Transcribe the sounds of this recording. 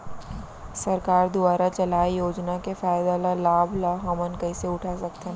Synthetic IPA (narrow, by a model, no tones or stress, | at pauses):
sɐɾkaːɾd̪ʊbaːɾat͡ʃɐlaːijoːd͡ʒnakefaːɪd̪alalaːblaɦɐmənkɐiseʊʈʰasɐkt̪e